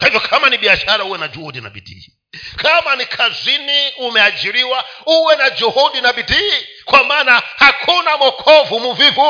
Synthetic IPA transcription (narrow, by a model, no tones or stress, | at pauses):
kaivjɔkʰamaniɓiaʃaɾauwɛnad͡ʒuhudina̰ɓḭdḭi | kʰamanikʰazʷiniumɛad͡ʒiɾiwauwɛnad͡ʒuhudinaɓidiːkwamanahakʰunamɔkʰɔvumuvivu